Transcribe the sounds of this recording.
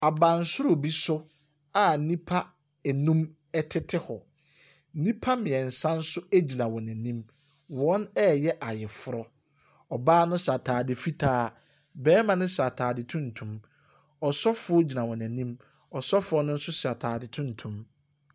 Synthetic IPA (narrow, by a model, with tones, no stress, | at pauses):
a˨bã˨n̩˨sʊ˦ɾʊ˨bi˦sʊ˦ | a˨nĩ˦pʰa˦ | ɛ˨nũ˦m | ɛ˦tʰɪ˦tʰɪ˦hɔ˨˦ | nĩ˦pʰa˦mɪ̃˨ɛ˨n̩˨sã˦n̩˦sʊ˦æ˦d͡ʑi˨nã˨wɔ̃˨næ̃˨nĩ˦m | wɔ̃˦nɛ˦jɛ˦ʔa˨jɪ˨fʊ˦ɾɔ˦ | ɔ˨baː˦nʊ̃˦sa˨tʰaː˨dɪ˨fi˦tʰaː˦ | bɛː˦mã˨nʊ̃˦sa˨tʰaː˨dɪ˨tʰũ˦n̩˨tʰũ˨m | ɔ˨sɔ˦fʊ˦ʊ˦d͡ʑi˨nã˨wɔ̃˨næ̃˨nĩ˦m | ɔ˨sɔ˦fʊ˨˦ɔ˦nʊ̃˦n̩˦sʊ˦sa˨tʰaː˨dɪ˨tʰũ˦n̩˨tʰũ˦m